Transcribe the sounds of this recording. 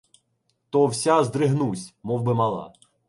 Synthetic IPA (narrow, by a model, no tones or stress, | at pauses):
t̪ɔwsʲazd̪ɾɪɦnusʲmɔwbɪmɑlˠɑ̰